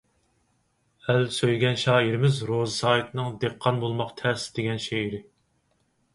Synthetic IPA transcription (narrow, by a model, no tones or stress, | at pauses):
ælsøjɡʲɛnʃɑːiɾɪmɪzɾozɨsɑːjit̪ʰnɨŋd̪eqʰːɑnbolˠmɑqt̪ʰɛɾsɪd̪eɡʲɛnʃeiɾɪ